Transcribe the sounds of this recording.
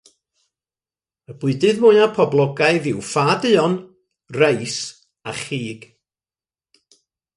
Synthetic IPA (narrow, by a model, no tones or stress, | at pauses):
əbʊɨdɨðmʊɨapʰɔblˠɔɡaɨðɪwfaːdɨɔn | rejs | aχiːɡ̥